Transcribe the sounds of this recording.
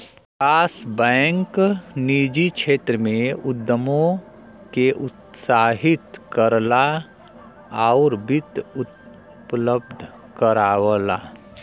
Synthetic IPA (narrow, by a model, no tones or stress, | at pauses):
kaːsbɛ̃ːŋkniːd͡ʒikʃʰeːt̪ɾəmẽʊd̪ːəmõ | keʔʊt̪saːɦɪt̪kəɾla | aɾbɪt̪ | ʊpləb̚d̪ʱ | kəɾaːwəla̰ː